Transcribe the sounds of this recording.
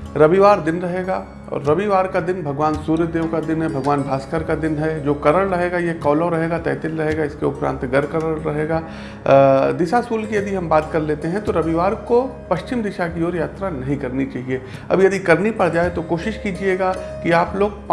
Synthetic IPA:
ɾɐʋiʋaːɾd̪ɪnɾɐɦeːɡaː | ɔ̰ːɾːɐʋiʋaːɾkad̪ɪnbʱɐɡʋaːnsuːɾjəd̪eːʋkad̪ɪnɦɛbʱɐɡʋaːnbʱaːskəɾkad̪ɪnɦɛd͡ʒoːkɐɾəɭɾɐɦeːɡajekɔːloɾɐɦeːɡat̪ɛ̰ːt̪ɪlɾɐɦeːɡaɪskeʊpɾã̰ːnt̪ɡɐɾkɐɾəɭɾɐɦeːɡaː | d̪ɪʃasuːlkijɐd̪iɦɐmbaːt̪kɐɾleːt̪eɦɛ̃t̪oɾɐʋiʋaːɾkopɐʃt͡ʃɪmd̪ɪʃakiɔːɾjaːt̪ɾanɐɦĩkɐɾnit͡ʃaːɦie | ɐ̰bjɐd̪ikɐɾnipɐɽd͡ʒaːet̪okoːʃɪʃkiːd͡ʒieːɡaːkiaːploːɡ̚p

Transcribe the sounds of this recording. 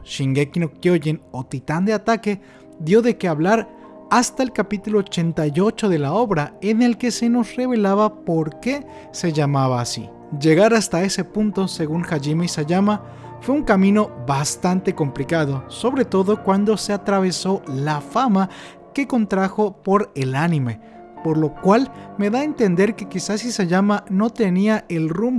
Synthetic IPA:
ʃiŋɡekinokjoʝeno̞t̪it̪and̪eat̪ake̞ | ðjo̞ðe̞keaβlaɾ | ast̪aelkapit̪ulo̞ːt͡ʃe̞nt̪ajo̞t͡ʃo̞ðe̞lao̞βɾaene̞lke̞se̞no̞sre̞βe̞laβapo̞ɾke̞ | se̞ʝamaβaːsḭ | d͡ʒe̞ɣaɾast̪ae̞se̞punt̪o̞se̞ɣuŋxaʝimaisaʝama | fwe̞uŋkamĩno̞βast̪ant̪e̞ko̞mplikaðo̞so̞βɾe̞t̪o̞ðo̞kwand̪o̞se̞at̪ɾaβ̞e̞so̞lafama | ke̞ko̞nt̪ɾaxo̞po̞ɾe̞lanime̞ | po̞ɾlo̞kwalme̞ðae̞nt̪e̞nd̪e̞ɾke̞kisasisaʝamano̞t̪e̞niaʔe̞lrum

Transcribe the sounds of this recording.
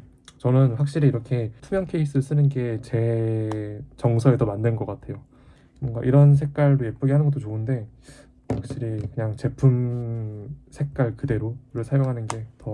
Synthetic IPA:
t͡ɕʌnɯnɸwak̚ɕ͈iɾiiɾʌkʰe̞tʰumjʌŋkʰe̞is͈ɯɭs͈ɯnɯnɡe̞t͡ɕe̞ | t͡ɕʌŋsʰʌe̞dʌmandenɡʌk͈atʰe̞jo | bwʌŋɡa̰ʔiɾʌns̬ʰek̚k͈aɭdoje̞p͈uɡiɦanɯnɡʌt͈ot͡ɕoɯnde̞ | ɸwak̚ɕ͈iɾikɯɲaŋt͡ɕe̞pʰum | sʰe̞k̚k͈aɭkɯde̞ɾoɾɯɭsʰajoŋɦanɯnɡe̞tʌ

